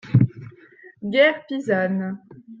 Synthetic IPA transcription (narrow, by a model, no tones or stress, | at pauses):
ɡɛːʁpizan